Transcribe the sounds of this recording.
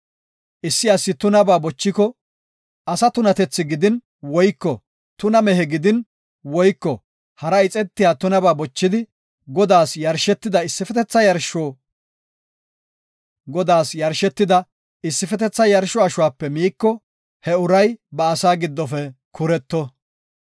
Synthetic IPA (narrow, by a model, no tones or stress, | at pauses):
ʔɪsːɪɐsːɪt̪ʊnɐbaːbɔt͡ʃːɪkɔ | ɐsɐt̪ʊnɐt̪ɛt͡sːɪɡɪd̪ɪn | wɔjkːɔ | t̪ʊnɐmɛɦɛɡɪd̪ɪn | wɔjkːɔ | hɐɾɐɪt͡sʼɛt̪ːɪjaːt̪ʊnɐbaːbɔt͡ʃːɪd̪ɪ | ɡɔd̪aːsjɐɾʃɛt̪ːɪd̪ɐɪsːɪfɛt̪ɛt͡sːɐjɐɾʃoː | ɡɔd̪aːsjɐɾʃɛt̪ːɪd̪ɐ | ɪsːɪfɛt̪ɛt͡sːɐjɐɾʃɔɐʃʊwaːpːɛmiːkːɔ | hɛʊɾɐjbɐːsaːɡɪd̪ːɔfɛkʰʊɾɛt̪ːɔ